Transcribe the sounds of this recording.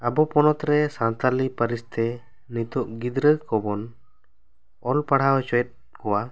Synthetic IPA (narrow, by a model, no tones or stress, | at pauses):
abɔpɔnɔt̪ɾɛsãnt̪alipəɾist̪ɛ | nit̪uʔɡid̪ɾəkɔbɔn | ɔlpaɽ̤awɛt͡ʃɔjɛt̪̚ | kɔwa